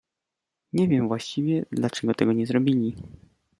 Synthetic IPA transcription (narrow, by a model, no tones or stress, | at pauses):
ɲɛvʲjɛmvwaɕt͡ɕivʲjɛd̪lat͡ʂɛɡɔt̪ɛɡɔɲɛzɾɔbʲilʲi